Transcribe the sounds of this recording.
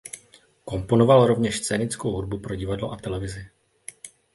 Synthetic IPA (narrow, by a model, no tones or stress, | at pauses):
ko̞mpo̞no̞valɾo̞vɲɛʃst͡sɛːnɪt͡skowɦud̚bupɾo̞ɟɪvadloʔat̪ɛlɛvɪzɪ